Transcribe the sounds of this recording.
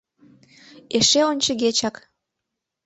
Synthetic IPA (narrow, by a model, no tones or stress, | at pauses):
eʃeonʲt͡ɕə̆ɣet͡ɕɑk